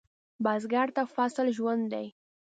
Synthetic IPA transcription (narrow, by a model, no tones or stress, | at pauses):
bɑzɡɑɽt̪afasɪlʒwand̪d̪aj